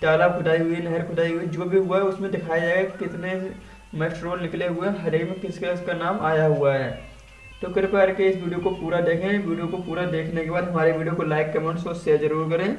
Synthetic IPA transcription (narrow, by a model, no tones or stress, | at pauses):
ʈ̪aːlakʰʊd̪aːiɦʊinɛɦəɾkʰʊd̪aːiɦʊid͡ʒoːbʱiɦʊaɦɛʊsmẽd̪ɪkʰaːjad͡ʒaːɡekɪt̪ne | mɛːʈɾoːlnɪkleɦʊeɛ̃ɦɐd̪eːkmẽkɪskeəskanaːmʔaːjaɦʊaɦɛː | t̪oːkɪɾpaːɾkeɪsʋiːɖijokopuːɾad̪eːkʰẽʋiːɖijokopuːɾad̪eːkʰnekebaːd̪ɦɐmaːɾeʋiːɖijokolaːɪkːemɐnsoːssezɐɾuːɾk̬ɐɾẽː